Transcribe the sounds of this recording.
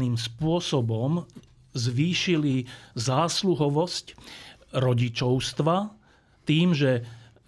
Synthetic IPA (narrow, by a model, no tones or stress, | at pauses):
niːmspʊɔsɔbɔm | zʋiːʃilizaːsluɦɔʋɔscɾɔɟit͡ʃɔʊst̪ʋa | t̪iːmʒɛ